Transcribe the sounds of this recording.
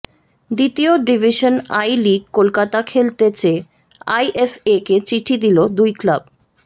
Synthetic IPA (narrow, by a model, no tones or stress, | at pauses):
d̪it̪ioɖibʱiʃonajliɡ̚kolkat̪akʰelt̪et͡ɕe | ajʔefeket͡ɕiʈʰid̪ilod̪ujklab